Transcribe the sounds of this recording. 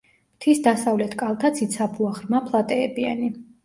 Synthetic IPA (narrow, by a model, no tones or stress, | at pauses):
mt̪ʰisd̪asavlɛt̪ʰkʼalˠt̪ʰat̪sʰit̪sʰapʰuaχɾmapʰlˠat̪ʼɛːbiani